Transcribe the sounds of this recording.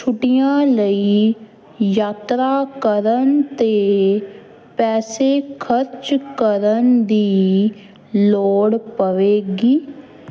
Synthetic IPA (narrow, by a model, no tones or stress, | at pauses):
t͡ʃʰʊʈijãːləiː | jaːt̪ɾaːkəɾənt̪eː | pɛːseːkʰəɾt͡ʃkəɾənd̪iː | loːɽpəʋeːɡiː